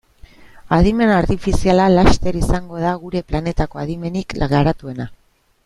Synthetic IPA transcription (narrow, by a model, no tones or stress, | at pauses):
aðime̞naɾt̪ifisialalast̪e̞ɾisaŋɡo̞ð̞aɣ̞uɾe̞plane̞t̪ako̞aðime̞nikɡaɾat̪ue̞na